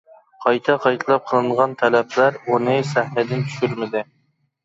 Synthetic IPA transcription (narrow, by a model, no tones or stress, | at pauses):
qʰɑjt̪ʰɛqʰɑjt̪ʰɨlˠɑp̚qʰəlˠɨɴʁɑnt̪ʰɛlɛpʰlæɾunɨsæhnɛd̪ɪnt͡ʃ̪ʰy̥ʃyɾmɪd̪ɪ